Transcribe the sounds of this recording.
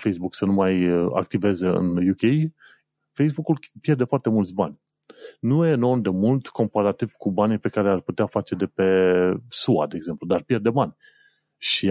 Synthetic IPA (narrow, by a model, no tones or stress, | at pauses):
fejsbuksənumaja̰k̚t̪ive̞ze̞ɨ̰njukʲej | fejsbukulpjerd̪e̞foart̪e̞mult̪sʲba̰nʲ | nujeno̞nd̪e̞mult̪ko̞mpaɾat̪iv̥ʲkubanʲpe̞kaɾe̞arput̪eafat͡ʃe̞d̪e̞pe̞sua̰d̪e̞ːɡze̞mplud̪arpje̞rd̪e̞banʲ | ʃi